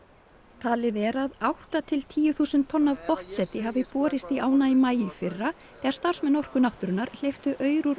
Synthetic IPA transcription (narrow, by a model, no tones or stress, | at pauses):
t̪ʰaːlɪðɛɾaðawht̪at̪ʰɪlt̪ʰiːjʏθuːsʏnt̪ʰːɔnːavpɔht̪sɛt̪ɪɦavɪpɔːɾɪst̪iaːwnaimaːjɪfɪrːa | θɛːɣaɾst̪ar̥smɛnɔr̥kʏnaht̪ʏɾʏnːaɾl̥ejft̪ʏʔœːɥɾʏɾ